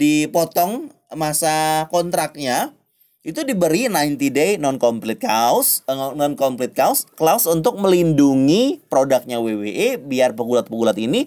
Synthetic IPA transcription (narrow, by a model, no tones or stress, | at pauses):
dipɔt̪ɔŋ | masakɔnt̪ɾak̚ɲa | it̪udibəɾinaint̪idenɔnkɔmplɪt̪̚kasnɔnkɔmplɪt̪̚kausklausunt̪ʊk̚məlinduŋipɾodak̚ɲaweweʔebiarpəɡulat̪̚pəɡulat̪ini